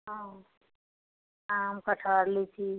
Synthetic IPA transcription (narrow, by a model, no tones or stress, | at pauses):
ɦã | amkəʈʰaɾlit͡ʃʰi